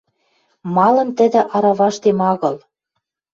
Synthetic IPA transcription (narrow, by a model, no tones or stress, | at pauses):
mɑlɤ̆mt̪ə̆d̪ɘ̆ʔɑɾɑβɑʃt̪emɑɣɤ̆l